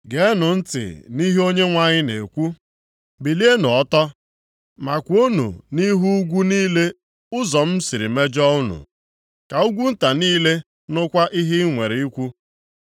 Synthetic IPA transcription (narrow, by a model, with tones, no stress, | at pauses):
ɡe˨˦nʊ˨n̩˦tɪ̰˨ni˦ɦe˦o˦ɲe˦ŋʷa˦ɲɪ˦nḛ˨kʷu˦ | bi˨li˦e˦nʊ˨ɔ˦tɔ˦ | ma˨kʷo˦nṵ˨ni˦ɦu˦ɡʷu˦niː˦le˦ | ʊ˦zɔ˨m̩˦si˨ɾḭ˨me˦d͡ʒɔ˦u˦nṵ˨ | ka˨ʊ˦ɡʷu˦n̩˦ta˨niː˦le˦ | nʊ˦kʷa˦ʔi˦ɦɪ˦ŋʷe˨ɾe˨i˦kʷu˦